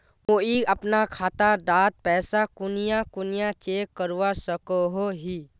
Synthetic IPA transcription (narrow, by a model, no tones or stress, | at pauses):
ʋoiːəpnakʰaːt̪aɖaːt̪̚pɛːsakʊnijãkʊnijat͡ʃeːkːəɾwasəkoɦoɦiː